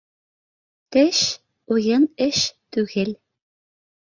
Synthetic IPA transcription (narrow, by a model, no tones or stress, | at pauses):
t̪ĕɕ | ujɤ̆nɘ̆ɕt̪yɣelʲ